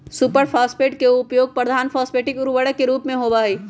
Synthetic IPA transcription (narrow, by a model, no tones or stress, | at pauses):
supəɾfʰaːspeːʈkeʊpjoːɡ̚pɾəd̪ʱaːnfʰɔːspeːʈɪkʊɾʋəɽəkeɾuːpmẽɦobaːiː